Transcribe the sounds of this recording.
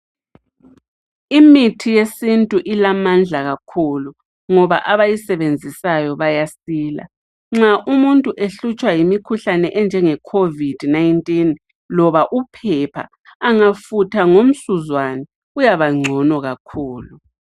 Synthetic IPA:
imitʰijesintʼuʔilamand͡ɮʱaɣakʰulu | ŋɔβa̰ʔaβajisɛβend͡zʱisajɔβajasiːla̰ | ŋ͡ǁaʔumuntʼuʔeɬut͡ʃʼwajimikʰuɬanɛʔɛnd͡ʒʱɛŋɛkʰovid̥najntʼin | lɔβaʔupʰɛpʰa̰ː | ŋafutʰaŋom̩suzwanɛ | ujaβaŋ͡ǀʱɔnɔɣakʰuːlu

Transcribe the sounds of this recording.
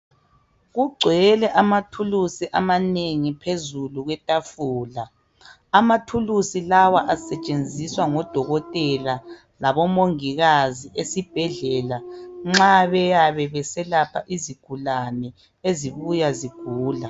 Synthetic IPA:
ɣuɡ͡ǀʱwɛlɛʔamatʰulusiʔamaneŋipʰezuluɣwɛtʼafuːlaː | matʰulusilawaʔasɛt͡ʃʼend͡zʱiswaŋɔd̥ʱɔɣɔtʼɛla | laβɔmoŋiɣaziʔesib̥ʱɛɮɛlaŋ͡ǁaβɛjaβɛβɛsɛlapʰaʔiziɡ̥ʱulanɛ | eziβujaziɡ̥ʱuːla

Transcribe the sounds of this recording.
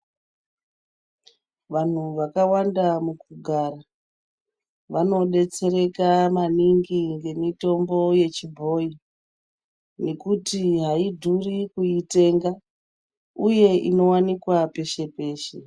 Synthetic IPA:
ʋan̤uʋakawandamukuɡʱaɾa | ʋano̞ɗe̞t͡se̞ɾe̞kamaniŋɡiŋɡe̞mito̞mbo̞je̞t͡ʃibʱo̞i | ne̞kutiɦaidʱurikuite̞ŋɡa | uje̞ʔino̞wanikwape̞ʃe̞pe̞ːʃe

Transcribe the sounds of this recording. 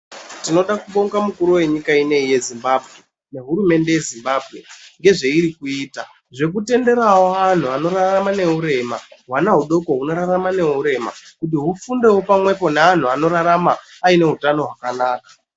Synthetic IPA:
tino̞ɗakuɓoŋɡamukuɾuwe̞ɲikaine̞ije̞zimbabʱɣe̞ | ne̞ɦuɾume̞nde̞je̞zimbaːbʱɣe̞ŋɡe̞ʐe̞iɾikuiːta | ʐe̞k̬ute̞nde̞ɾawoan̤uano̞ɾaramane̞ɦuɾe̞ma̰ɦwanaɦuɗo̞ko̞ɦuno̞ɾaɾamane̞ɦuɾe̞ma̰kut̬iɦufunde̞wopamwe̞po̞nean̤uano̞ɾaɾamaːine̞ɦutano̞ɦwakanaːkḁ

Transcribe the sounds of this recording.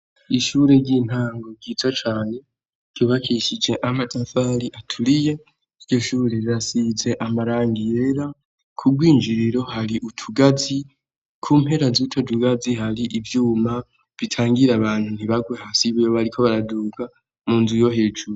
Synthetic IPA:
iʃuːɾe̞ɾɟiːn̥haːŋɡo̞ɡɟitʰat͡ʃaːne̞ | ɾ̥ɟ̥oβakʰiʃid͡ʒe̞ʔamatʰafaɾiʔatʰuɾije | iɾɟo̞ʃuːɾe̞iɾasize̞ʔamaɾaːŋɡijeɾa | kʰuɡwiːnd͡ʒiɾiɾo̞haɾiʔutʰuɡazi | kʰuːmhe̞ɾazutʰotuɡazihaɾiʔivjuːma | βitʰaːŋɡiɾaβaːn̥hun̥iβaɡwehasiβijoβaɾikʰo̞βaɾaduːka | muːnzujo̞ɦed͡ʒuo

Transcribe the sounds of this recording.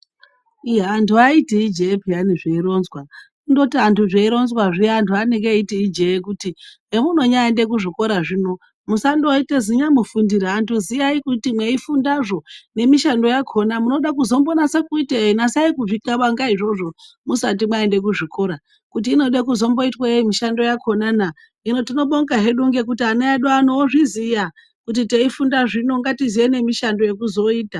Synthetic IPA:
iɦaːntʰuaitiid͡ʒeepianiʐeiɾo̞nzwa | undo̞tiantʰuʐeiɾo̞nzwaʐiantʰuaneŋɡeitiid͡ʒeek̬uti | emuno̞ɲaende̞k̬uʐiko̞ɾaʐino̞ | musandoiteziɲamufundiɾaantuzijaikutimwe̞ifundaʐo̞ne̞miʃando̞jakʰo̞namuno̞ɗakuzo̞mbonasakuiteeinasaikuvikaʋaŋɡaiʐo̞ʐo̞ | musat̬imwaende̞k̬uʐiko̞ɾa | kut̬iːno̞ɗekuzo̞mbo̞itwaeimiʃando̞jakʰo̞nana | ino̞tino̞ɓoŋɡaɦe̞ɗuŋɡe̞kutianeaɗuano̞ːʐizija | kut̬iteifundaʐino̞ŋɡatizijene̞miʃando̞je̞kuzo̞iːta

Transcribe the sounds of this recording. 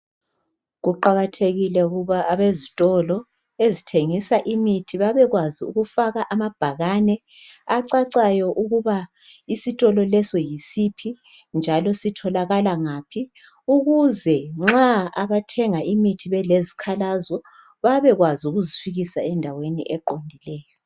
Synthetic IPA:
ɣuǃaɣatʰeɣilɛuɣuβaʔaβezitʼɔlɔ | ezitʰeŋisaʔimitʰiβaβɛɣwaziuɣufaɣaʔamab̥ʱaɣanɛ | aǀaǀajɔʔuɣuβa | isitʼɔlɔlɛsɔjisipʰi | nd͡ʒʱalɔsitʰɔlaɣalaŋaːpʰi | uɣuzɛŋ͡ǁaaβatʰɛŋaʔimitʰiβɛlezikʰalazɔ | βaβɛɣwaziuɣuzifiɣisaɛndʱawenḭʔɛǃondʱilɛːjɔ

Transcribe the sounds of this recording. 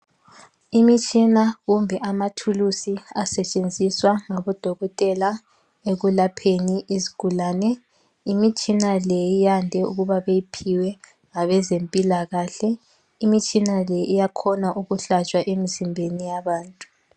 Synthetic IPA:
imit͡ʃʼinaɣumbʱɛʔamatʰulusiasɛt͡ʃʼend͡zʱiswaŋaβɔd̥ʱɔɣɔtʼɛla | eɣulapʰeniʔizi̥ɡ̥ʱulaːnɛ | imit͡ʃʼinalɛjijandʱɛṵɣuβaβejipʰiwɛ | ŋaβɛzempʼilaɣaːɬɛ | imit͡ʃʼinalɛʔijakʰɔnaʔuɣuɬat͡ʃʼwaʔemizimbʱenijaβaːntʼu̥

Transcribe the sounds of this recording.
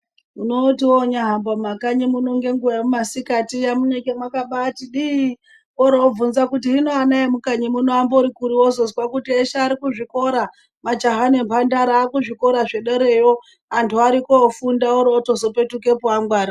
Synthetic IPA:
unotiwoɲaɦambomakaɲimunoŋɡe̞ŋɡuemumasikatijamunekemwakaɓatiɗii | oɾoob͡vunzakutiɦinoanaemukaɲimunoamboɾikuɾiwozozwakutieʃaːɾikuʐiko̞ɾa | mad͡ʒaɦanempʰandaɾaːkuʐiko̞ɾaʐe̞ɗeɾe̞jo̞ | antʰuaɾikoːfundaoɾooto̞zo̞pe̞tuke̞puaŋɡwaːɾa

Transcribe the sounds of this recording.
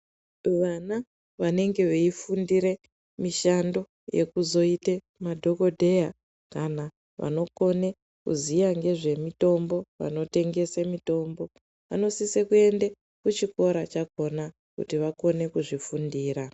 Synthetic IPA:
ʋana | ʋane̞ŋɡe̞ʋeifundiɾe̞ | miʃando̞ | je̞̰kuzo̞ite | madʱo̞ko̞dʱe̞ja | kana | ʋa̰no̞ko̞ne̞ | kṵzijaŋɡe̞ʐe̞mito̞mbo̞ʋa̰no̞te̞ŋɡe̞semito̞mbo̞ | ʋa̰no̞sisekue̞nde | kut͡ʃiko̞ɾat͡ʃak̚o̞na | kṵtiʋako̞ne̞kuʐifundiːɾa

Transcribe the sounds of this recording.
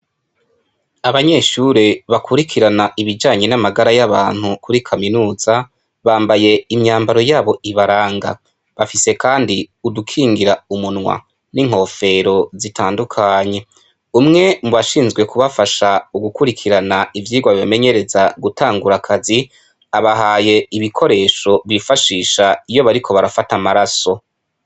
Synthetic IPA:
aβaɲe̞ʃuɾeβakʰuɾikʰiɾanaʔiβid͡ʒaːɲe̞namaɡaɾajaβa̰ːn̥hukʰuɾikʰaminuːz̥a | βaːmbaje̞imɲaːmbaɾo̞jaːβo̞iβaɾaːŋɡa̰ | βafise̞kaːndiudukʰiːŋɡiɾaumunŋwa̰ | niŋ̥ɦo̞fe̞ɾo̞zitʰaːndukʰaːɲe̞ | umŋe̞muβaʃiːnzɡwe̞kuβafaʃauɡukuɾikʰiɾanaivjiːɡwaβiβame̞ɲe̞ɾe̞zaɡutʰaːŋɡuɾakʰazi | aβaɦaːje̞iβikʰo̞ɾe̞ːʃo̞βifaʃiːʃaijo̞βaɾikʰo̞βaɾafatamaɾaso̞

